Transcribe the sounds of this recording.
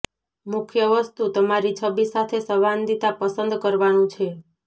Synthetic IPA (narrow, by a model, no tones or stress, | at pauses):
mukʰjəʋəst̪ut̪əmaɾit͡ʃʰəbisat̪ʰesəband̪it̪apəsənd̪kəɾʋanũt͡ʃʰe